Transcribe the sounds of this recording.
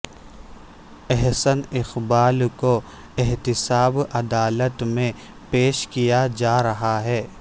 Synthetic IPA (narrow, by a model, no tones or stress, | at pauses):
ɛɦsənɪxbaːlko | ɪɦt̪ɪsaːbɐd̪aːlət̪mẽ | peːʃkijad͡ʒaːɾɐɦaɦɛː